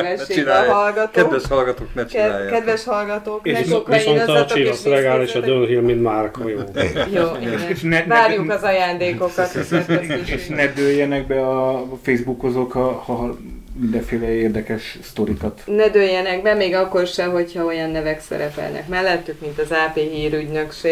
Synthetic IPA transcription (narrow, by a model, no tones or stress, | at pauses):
ɛʃeɒlɡɒt̪kɛːd̪ɛʃhɒlɡɒt̪oːknɛt͡ʃkɛd̪vɛʃhɒlɡɒt̪oːkeʃisonɒt͡ʃiloslɛɡaːleʃɒd̪ønɦilminmaːrkhojoːjoːeʃnɛnvaːɾjukɒzɒjaːnd̪eːko̞kɒt̪seʃnɛd̪øjːɛnɛɡbɛɒfejzbukhozokhɒhɒɦmind̪ɛɱfeːlɛeːrd̪ɛkɛʃst̪o̞ɾikɒt̪nɛd̪øjːɛnɛɡbɛmeːɡɒkːo̞rʃɛɦo̞chɒo̞jɒnːɛvɛksɛ̰ɾɛpɛ̰lnɛ̰kmɛlːɛt̪ːykmint̪ɒzaːpeːɦiːɾyɟnøkʃeː